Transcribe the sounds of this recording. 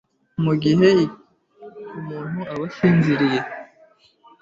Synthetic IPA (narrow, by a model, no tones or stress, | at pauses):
muɡiɦe̞ | umuːn̥huʔaβasiːnziɾije̞